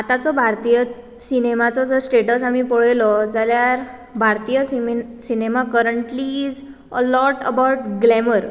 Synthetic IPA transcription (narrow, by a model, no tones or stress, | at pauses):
at̪at͡sɔbʱaɾt̪ijə | sinemat͡sɔd͡zəɾsʈeʈəsamipɔɭ̤əjlɔd͡zaljaɾ | bʱaɾt̪ijəssinemakəɾəɳʈlid͡z | əlɔʈəbawʈɡlɛməɾ